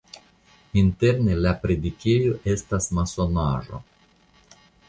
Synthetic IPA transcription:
inte̞ɾnelapɾed̪ikʲejoʔe̞stasmaso̞na̰ʒo̰

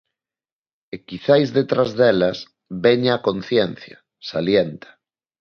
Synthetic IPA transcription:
ekiθajzðet̪ɾazðɛlas | βeɲakon̟θjen̟θja | saljent̪ḁ

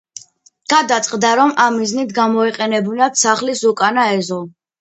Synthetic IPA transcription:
ɡ̥ad̪at̪sʼqʼd̪aɾɔmamːiznit̪ʰɡamɔiqʼɛnɛbunad̪saχlisukʼanaɛzɔ

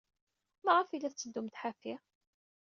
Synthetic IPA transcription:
mæʁafilːæθt͡sːəd̪ːumt̪ħafi

